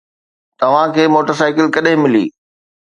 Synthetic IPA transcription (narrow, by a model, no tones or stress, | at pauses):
t̪ɐʋ̤ãkʰeːmoːʈəɾsaːɪkɪlkɐɗɦɪ̃mɪlḭː